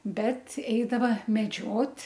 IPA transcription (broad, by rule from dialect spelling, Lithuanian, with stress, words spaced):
ˈbʲɛt ˈɛɪdɐʋɐ mʲɛˈd͡ʒʲoːtʲ